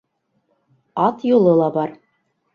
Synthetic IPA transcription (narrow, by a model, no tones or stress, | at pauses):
ɑt̪jŏlˠɤlˠɑbɑɾ